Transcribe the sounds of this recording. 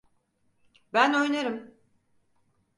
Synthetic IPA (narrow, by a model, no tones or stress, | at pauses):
bæno̞jnaɾɯm